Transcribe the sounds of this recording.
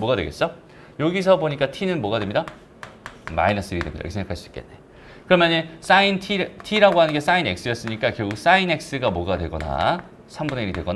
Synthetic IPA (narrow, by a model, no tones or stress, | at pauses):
moɡadwe̞ɡe̞ts͈ʌ | joɡis̬ʰʌboɲik͈atʰinɯnmoʌɡadwe̞mɲida | ma̰inʌs͈ɯɾidwe̞midaj̰kesʰeŋɡakʰaɭs͈u̥i̥k͈enːe | kɯɾʌmjʌnes͈aintʰiɾtʰiɾaɡoɦanɯnɡes͈aine̞k̚s͈ɯjʌs͈ɯɲik͈akjʌɡuk̚s͈aine̞k̚s͈ɯɡamoɡadwe̞ɡʌna̰ | sʰambuneiɾidweɡʌna